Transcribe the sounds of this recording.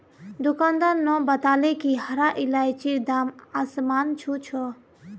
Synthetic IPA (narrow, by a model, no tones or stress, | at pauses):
d̪ukand̪ənːɔbət̪aːlekihəɾaʔilajt͡ʃiɾd̪amasmaːnt͡ʃʰut͡ʃʰɔ